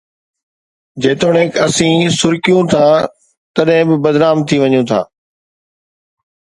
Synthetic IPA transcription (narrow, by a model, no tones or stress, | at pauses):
d͡ʑeːt̪oːɽ̤ẽːkɐsĩːsʊɾkijũt̪ʰa | t̪ɐɗɦɪ̃bɪbɐd̪naːmt̪ʰiʋɐɲũt̪ʰa̰ː